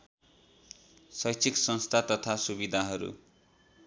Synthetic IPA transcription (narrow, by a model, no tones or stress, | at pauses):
sʌjt͡sʰiksʌnst̪ʰat̪ʌt̪ʰasubid̪ʱaɦʌɾṵ